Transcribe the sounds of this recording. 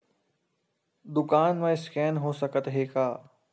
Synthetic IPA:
d̪ʊkaːnmẽɪskɛːnɦoːsɐkət̪ɦeːkaː

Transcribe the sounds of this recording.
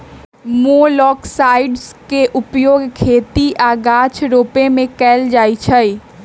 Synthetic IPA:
molɔːksaːɪɖskeʔʊpjoːɡkʰeːt̪iʔaːɡaːt͡ʃʰɾoːpemẽkɛːld͡ʒaːit͡ʃʰəi

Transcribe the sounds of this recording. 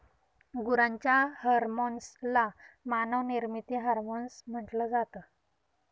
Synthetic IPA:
ɡuɾãɲt͡ɕjahəɾmonslamanəʋniɾmit̪iːɦaɾmonsm̤əʈləd͡zat̪ə

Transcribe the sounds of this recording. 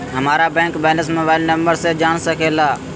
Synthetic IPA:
ɦəmaːɾaːbɛ̃ːŋkbɛːləsmoːbaːɪlnəmbəɾseːd͡ʒaːɳsəkʰeːlaː

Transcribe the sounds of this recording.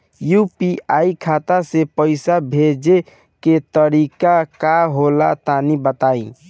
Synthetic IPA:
jupiaikʰat̪asepəɪsabʱed͡ʒe | ket̪əɾikakaɦolat̪anibət̪aĩ

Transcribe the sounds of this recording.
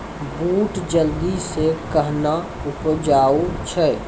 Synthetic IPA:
buːʈd͡ʒəld̪isekəɦna | upd͡ʒaːut͡ʃʰɛ

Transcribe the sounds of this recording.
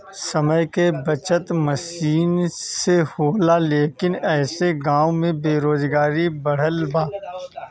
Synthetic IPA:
sɐməjkebɐt͡ʃət̪mɐsiːnsehoːlaleːkɪnɛːseɡãːwmẽbeːɾoːzɡaːɾibɐɽ̤əlbaː

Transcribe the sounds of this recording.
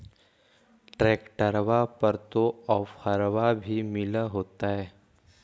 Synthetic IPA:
ʈɾeːkʈəɾʋapɐɾt̪oɔːfhəɾʋabʱimɪləɦoːt̪aɦɛː

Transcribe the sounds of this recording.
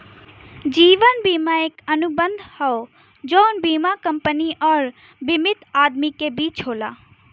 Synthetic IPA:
d͡ʒiːʋənbiːmaekɐnubə̃nd̪ʱhɐo | d͡ʒɔːnbiːmakɐ̃mpəniʔɔːɾ | bɪmɪt̪aːd̪mikebiːt͡ʃɦoːlaː

